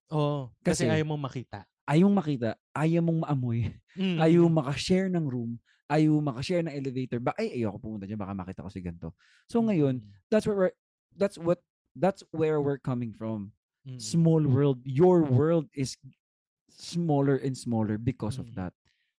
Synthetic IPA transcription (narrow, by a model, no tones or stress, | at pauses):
ʔoʔkɐɐsɛɛajomomɐkiːt̪ɐ | ʔɐjoŋmɐkiːt̪ɐʔaːjɐmoŋmɐʔɐmojʔaːjoŋmɐkɐʃɛɹnɐŋɾum | ʔaːjoŋmɐkɐʃɛɹnɐŋʔɛlɛvejt̪oɹbaʔɐjʔɐjowɐkopumʊnt̪ɐd͡ʒanbaːkɐmɐkiːt̪ɐ̰kosɪɡɐnt̪o̞ | soŋɐjond̪at̪swɛɹwɛɹ | d̪at̪swɔt̪̚ | ðat̪swɛɹwɪɹkɐmɪŋfɹɔm | smolwɜ˞ld̪̚jɔɹwɜɹld̪̚ɪs | smolɛɹʔɛ̃nd̪smolɛɹbɪkɔsɔfd̪ɐ̰t̪̚